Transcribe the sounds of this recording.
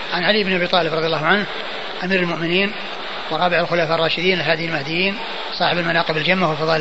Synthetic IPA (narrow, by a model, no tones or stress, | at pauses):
ʕanʕalijːbnʔabiːt̪ˤɑːlɪbɾˤɑðˤjɑlːɑːhʊʕanh | ʔamiːɾalmʊʔmɪniːn | wɾˤɑːbɪʕalxʊlaːfaʔrˤːɑːʃɪd̪iːnlɪlɦaːd̪ɪjalmahd̪ɪjːiːn | sˤɑːħɪbalmanaːqɪbɪld͡ʒamːahwɪlfɑðˤɑː